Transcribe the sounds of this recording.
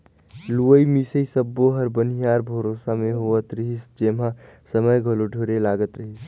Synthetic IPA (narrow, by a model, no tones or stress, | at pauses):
luəimisəisəbːoɦəɾbənijaːɾbʱəɾoːsamẽɦoət̪ɾəɦisd͡ʒeːmãsəməjɡʱəloɖʱoːɾelaːɡət̪ɾəɦis